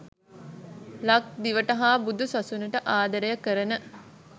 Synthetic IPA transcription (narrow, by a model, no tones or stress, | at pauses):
lɐk̚d̪iʋəʈɐɦaːbud̪usɐsunəʈəʔaːd̪ɐɾejɐkəɾənə